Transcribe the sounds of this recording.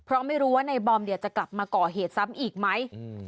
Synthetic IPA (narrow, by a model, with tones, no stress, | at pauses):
pʰɾɔ˦˥ma˥˩jɾuː˦˥waː˥˩na˧jbɔː˧mdi˨˩əwt͡ɕa˨˩kla˨˩p̚maː˧kɔː˨˩ɦeː˨˩t̪̚sa˦˥mʔiː˨˩k̚ma˦˥j